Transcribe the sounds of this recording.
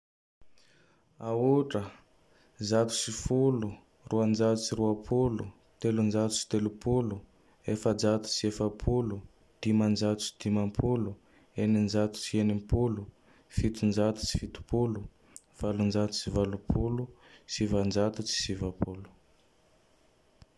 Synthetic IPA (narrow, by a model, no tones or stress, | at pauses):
auʈ͡ʂə | zat̪u̥sifulu | ruand͡ʒat̪ut͡siɾuapʰulu | t̪elund͡ʒat̪u̥t͡si̥t̪elupʰulu | efəd͡zat̪u̥t͡siefapʰulu | d̪̥imand͡ʒat̪u̥t͡si̥d̪̥imampʰulu | enind͡ʒat̪u̥t͡sienimpulu | fit̪und͡ʒat̪u̥t͡ʃi̥fit̪u̥pulu | v̥alund͡ʒat̪u̥t͡sivalupʰulusivand͡ʒat̪ut͡si̥sivapʰulu̥